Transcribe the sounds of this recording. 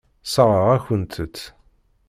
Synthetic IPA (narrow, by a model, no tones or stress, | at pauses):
səʁəʁæçənt̪ʰət͡sː